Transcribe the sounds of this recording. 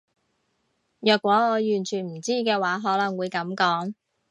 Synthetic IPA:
jœː˨kʷːwɔː˨˥ŋɔː˨˧jyː˨˩nt͡ʃʰyː˨˩nm̩˨˩t͡siː˥kɛː˧waː˨˥ɦɔː˨˥lɐ˨˩ŋwuː˨˧jkɐ˨˥mkɔː˨˥ŋ

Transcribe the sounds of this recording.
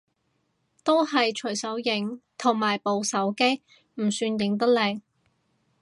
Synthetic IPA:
t̪o˥whɐ˨jt͡ʃʰɵ˨˩jsɐ˨˥wjɪ˨˥ŋt̪ʰʊ˨˩ŋmaː˨˩jpo˨˧wsɐ˨˥wke˥j | m̩˨˩syː˧njɪ˨˥ŋt̪̬ɐ˥k̚le˨˩j

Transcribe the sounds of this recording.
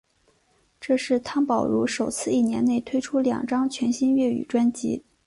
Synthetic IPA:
ʈ͡ʂɤ˥˧ʂɻ̩˥˩t̪ʰɑ˥ŋpɑ˨˩ʊɻu˧˥ʂo˨˩ʊt͡sʰɹ̩˥˧i˥˩njɛ˧˥ne˥˩ɪt̪ʰwe˥ɪʈ͡ʂʰu˥ljɑ̰˨˩ŋʈ͡ʂɑ˥ŋt͡ɕʰɥɛ˧˥nɕi˥nɥɛ˥˩y̰˨˩ʈ͡ʂwa˥nt͡ɕḭ˧˥

